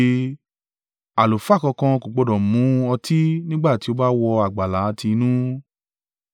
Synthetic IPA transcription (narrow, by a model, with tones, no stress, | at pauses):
a˨lo˨fa˦˨kɔ̃˧kã˧ko˨ɡ͡bo˨˧dɔ̃˨mũ˨˦ɔ˧tʰi˦nĩ˦ɡ͡ba˦˨ti˦o˧ba˦wɔ˧a˨ɡ͡ba˨la˨˦tʰi˧nũ˦